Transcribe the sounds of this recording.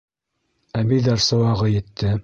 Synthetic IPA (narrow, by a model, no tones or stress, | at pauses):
æmiðɑɾsɤ̆wɑʁɤjɘ̆t̪ːɘ